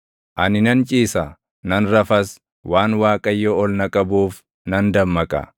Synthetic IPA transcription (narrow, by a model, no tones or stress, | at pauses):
ʔɐnɪnɐnt͡ʃʼiːsɐ | nɐnɾɐfɐs | waːnwaːkʼɐjːoɔlnɐkʼɐbuːf | nɐnd̪ɐmːɐkʼɐ̰